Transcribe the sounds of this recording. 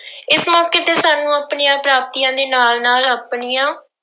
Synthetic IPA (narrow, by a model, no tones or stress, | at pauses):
ɪsmɔːkeːt̪eːsaːnːũːaːpɳiːãːpɾaːp̚t̪iːãːd̪eːnaːlnaːlapɳiːãː